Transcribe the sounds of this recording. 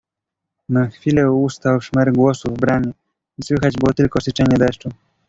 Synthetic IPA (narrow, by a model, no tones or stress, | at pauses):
naxfʲilɛust̪awʂmɛɾɡwɔsuvbɾamʲɛ | iswɘxad͡ʑbɘwɔt̪ɘlkɔsɘt͡ʂɛɲɛd̪ɛʂt͡ʂu